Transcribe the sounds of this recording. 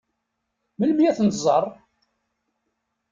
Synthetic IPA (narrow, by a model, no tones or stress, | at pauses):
məlmjæθnzˤərˤ